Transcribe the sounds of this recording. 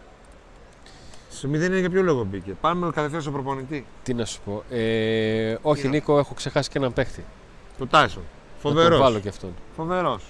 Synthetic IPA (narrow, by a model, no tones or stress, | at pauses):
somiðenineʝɐpçoloɣobice̞pɐnmekɐt̪efeɐsopɾopo̞nit̪it̪inɐsu̥po̞ʔe | o̞çiniko̞e̞xo̞kse̞xɐsi̥cenɐmpext̪i | t̪ot̪ɐjson | foveɾɾovɐloceɐft̪o̞nfo̞ve̞ɾo̞s